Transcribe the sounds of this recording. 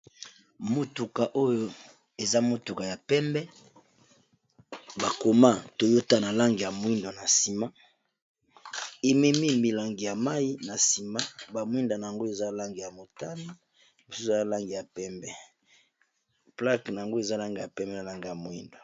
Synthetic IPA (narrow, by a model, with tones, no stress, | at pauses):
mo˨tu˨ka˨ʔo˦jo˨ | e˨za˦mo˨tu˨ka˨ja˨pɛ˦mbɛ˦ | ba˨ko˨ma˦to˨jo˦ta˦na˨la˦ŋɡi˨ja˨mo˨˦i˦ndo˨na˨si˨ma˦ | e˨mɛ˦mi˦mi˨la˨ŋɡi˨ja˨ma˦ji˦na˨si˨ma˦ba˨mwi˦nda˨na˨ja˨ŋɡo˦e˨za˦la˦ŋɡi˨ja˨mo˨ta˦ni˦ | mo˨su˦sa˦la˦ŋɡi˨ja˨pɛ˦mbɛ˨ | pla˦kna˨ja˨ŋɡo˦e˨za˦la˦ŋɡi˨ja̰˨pɛ˦mbɛ˦na˨la˦ŋɡi˨ja˨mo˨i˦ndo˨